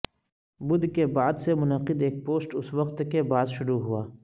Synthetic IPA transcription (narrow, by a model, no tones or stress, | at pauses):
bʊd̪kebaːd̪semʊnəqɪd̪eːk̚poːsʈʊswəqt̪kebaːd̪ʃʊɾuɦuaː